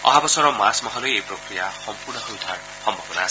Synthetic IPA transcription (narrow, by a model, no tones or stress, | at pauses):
ɔ̰ɦabɔsɔɾɔmasmɔɦɔlojejprokɾijaxɔmpuɾnɔsuwd̪ʱar | xɔmbʱɔbɔnaːs